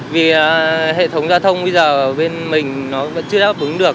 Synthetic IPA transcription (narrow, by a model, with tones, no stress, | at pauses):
vi˨˩aː˨˩ɦḛ˧˨t̪ʰə˨˦wŋ͡mzaː˧wt̪ʰə˧wŋ͡mɓə˧jzəː˨˩˨ɓe˧nmï˨˩ŋ̟nɔ˨˦və̰˧˥nt͡ɕɨ˧əɗaː˦˥p̚ʔɨ˨˦ŋɗɨ˨˩ək̚